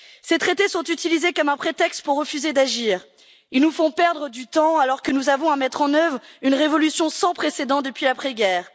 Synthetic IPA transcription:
set̪χet̪esɔ̃t̪yt̪ilizekɔmɛ̃pχet̪ɛkst̪̚puʁːəfyzed̪aʒiːʁ | ilnufɔ̃pɛʁd̪ʁəd̪yt̪ɑ̃alɔʁkənuzavɔ̃amɛt̪χɑ̃nœvʁynʁevɔlysjɔ̃sɑ̃pχesed̪ɑ̃d̪əpɥilapχeɡʲɛːʁ

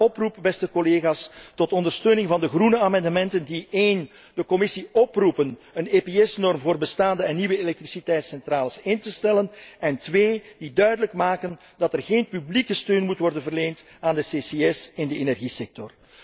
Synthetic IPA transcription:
ɔprup̚bɛstəkoleːɣaːstɔtɔndərstøːnɪŋvɑndəɣrunəaːmɑndəmɛntəndiʔeːn | dəkɔmɪsiɔprupənənepeɛsnɔrmvoːrbəstaːndəɛnːiʋəelɛk̚trisitɛjtsɛntraːləsɪntəstɛlənɛntʋeːd̥idœɥdələkmaːkən | dɑtɛrɣeːnpyblikəstøːnmutʋɔrdənvərleːnt | aːndəseːseɛsɪndəenɛrɣisɛk̚tɔr

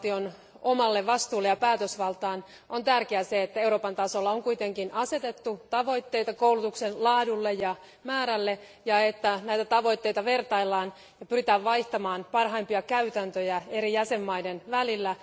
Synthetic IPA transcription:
t̪ion | omɑlːeʋɑst̪uːlːejɑpæːt̪øsʋɑlt̪ɑːn | ʔont̪ærkeæseet̪ːæeuɾo̞ːpɑnt̪ɑsolːɑoŋkuit̪e̞ŋkinʔɑse̞t̪et̪ːut̪ɑʋo̞it̪ːe̞jt̪ɑkoulut̪uksenlɑːdulːejjɑ | mæːɾælːe | jɑet̪ːænæjt̪æt̪ɑʋo̞it̪ːeit̪ɑʋe̞rt̪ɑilːɑːn | jɑpyrit̪æːʋʋɑiht̪ɑmɑːnpɑrɦɑimpiɑkæyt̪ænt̪øjæe̞ɾijæse̞mːɑjdenʋælilːæ

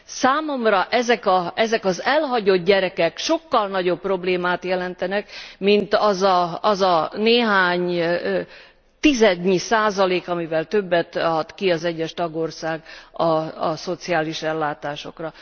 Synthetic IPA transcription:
saːmo̞mrɒʔɛzɛkɒɛzɛkɒzɛlɦɒɟo̞d̪̚ɟɛɾɛkɛkʃo̞kːɒlnɒɟo̞pːro̞bleːmaːt̪jɛlɛnt̪ɛnɛkmint̪ɒzɒɒzɒneːɦaːɲ | t̪izɛd̪ɲisaːzɒleːkɒmivɛlt̪øbːɛt̪ɒt̪kiɒzɛɟːɛʃt̪ɒɡo̞rsaːɡɒ̰ːso̞t̪siaːliʃɛlːaːt̪aːʃo̞̰krɒ

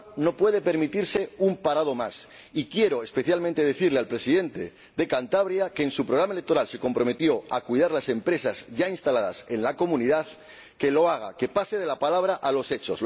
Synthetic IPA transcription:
no̞pwe̞ð̞e̞pe̞ɾmit̪iɾse̞umpaɾað̞o̞mas | ikje̞ɾo̞espe̞θjalmẽnt̪e̞ðe̞θiɾle̞alpɾe̞siðe̞nt̪e̞ | ðe̞kant̪aβ̞ɾjake̞ːnsupɾo̞ɣɾamaelek̚t̪o̞ɾalse̞ko̞mpɾo̞me̞t̪jo̞akwuiðaɾlase̞mpɾe̞sazʝainst̪alaða̰se̞nlako̞mũniðað | ke̞lo̞aɣ̞ake̞paseð̞e̞lapalaβɾaʔalo̞se̞t͡ʃo̞̰s

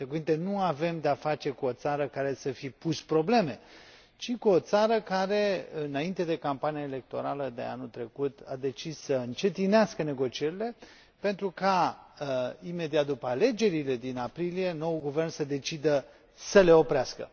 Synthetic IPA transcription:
t̪ekuvint̪e̞nuave̞md̪eafat͡ʃe̞kuo̞t̪saɾəkaɾe̞səfipuspɾo̞ble̞me̞ | t͡ʃikuo̞t̪saɾəkaɾe̞ɨnaint̪e̞d̪e̞kampanijaele̞k̚t̪o̞̰ɾaləd̪e̞̰a̰nult̪ɾe̞kut̪ʰad̪e̞t͡ʃisːəɨnt͡ʃe̞t̪ineaskəne̞ɡo̞t͡ʃie̞ɾile̞ | pe̞nt̪ɾuka | ime̞d̪iat̪̚d̪upəale̞d͡ʒe̞ɾile̞d̪inapɾilije̞no̞wuɡuvernsəd̪e̞t͡ʃid̪ə | səle̞o̞pɾeaskə̰

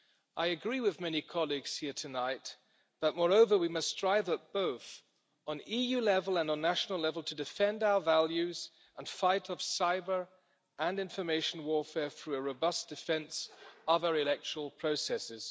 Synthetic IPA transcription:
ʔaɪɨɡɹiwɨðmɛnikʰɑlˠiɡz̥hiɹtʰɨnaɪt̪̚ | ðət̚mɔɹoʊvə˞wimʌsd̥ɹaɪvət̚b̥oʊθ | n̩ijʉlɛvl̩ˠə̃nn̩ːæʃn̩l̩ˠlɛvl̩ˠtʰɨdɨfɛ̃ndaʊə˞vælˠjʉz | ə̃nfaɪɾʌv̥saɪbə˞ | ə̃nɪ̃ɱfə˞meɪʃn̩wɔɹfɛɹθɹʉɨɹoʊbʌsd̥ɨfɛ̃nsʌvə˞ɨlɛk̚t͡ʃʰə˞l̩ˠpʰɹ̥oʊsɛsɪz̥

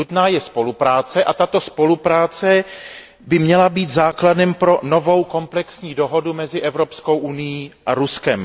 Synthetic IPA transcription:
ut̪naːjɛspo̞lupɾaːt͡sɛʔat̪at̪o̞spo̞lupɾaːt͡sɛ | bɪmɲɛlabiːt̪zaːkladɛmpɾo̞no̞vo̞wko̞mplɛksɲiːdo̞ɦo̞dumɛzɪʔɛvɾo̞psko̞wʔunɪjiːʔaɾuskɛm

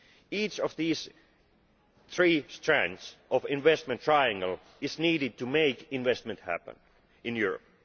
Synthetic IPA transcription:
iːt͡ʃɔvðiz | θɹiːstʰɹ̥æ̃nsʔɔvɪ̃nvɛst̚mə̃ntʰɹ̥aɪæ̃ŋɡəl̩ˠ | ɪzniːɾɪd̚tʰɨmeɪkɪ̃nvɛst̚mɨ̃nthæ̰pə̰̃n | ɪ̃njuɹə̰p̚

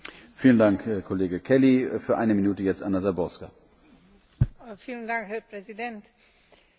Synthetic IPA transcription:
fiːləndaŋkɛkʰːɔleːɡəkʰɛlifyːɐʔa̰ɪnəminuːtəjɛt͡stʔa̰nazabɔska | fiːləndaŋkhɛpʁɛzidɛnt

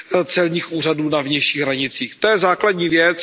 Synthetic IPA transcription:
t͡sɛlɲiːxʔuːraduːnavɲɛjʃiːɣɦɾaɲɪt͡siːxt̪ojɛzaːkladɲiːvjɛt͡s

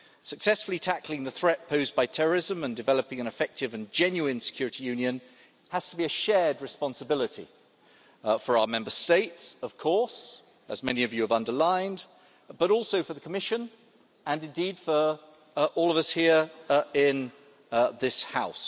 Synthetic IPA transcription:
səksɛsfəl̩ˠitʰæklɪ̃ŋðəθɹɛʔ̚pʰəʊzbaɪtʰɛɹə˞ɪzə̃mə̃ndɨvɛlˠəpɪ̃ŋɨ̃nɨfɛk̚tɨvɨ̃nd͡ʒɛ̃njʉɪ̃nsɨ̥kʰj̥ʊːɹɪɾijʉ̃njɨ̃n | həz̥tʰəbiɨʃɛd̚ɹɨspɑ̃nsəbɪlˠətḭ | fə˞aʊəmɛ̃mbə˞steɪtsʌv̥kʰɔɹs | ə̰zmɛniʌvjɨːvʌ̃ndəlãɪ̃nd | b̥ʌɾɔˑlˠsoʊfəðəkʰəmɪʃɨ̃n | ə̃nɨ̃ndid̥fə˞ | ʔɔːlˠʌvʌshiəɹɪ̃n | ðɪshaʊs

